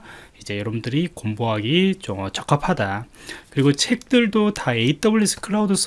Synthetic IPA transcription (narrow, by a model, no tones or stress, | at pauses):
id͡ʑe̞jʌɾʌbundɯɾikomboɦaɡit͡ɕomʌt͡ɕʌk͈apʰadakɯɾiɡot͡ɕʰe̞k̚t͈ɯɭdotae̞it͈ʌbuɭːis͈ʰɯ̥kʰɯɾaudɯs͈ʰ